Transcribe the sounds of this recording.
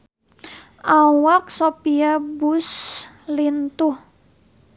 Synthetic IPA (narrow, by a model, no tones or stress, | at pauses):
ʔawak̚sopiabus | lint̪ʊh